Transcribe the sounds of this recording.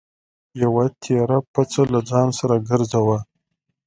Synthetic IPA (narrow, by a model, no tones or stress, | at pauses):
jawat̪ʰeɾapat͡salad͡zɑnsaɾaɡəɾzawa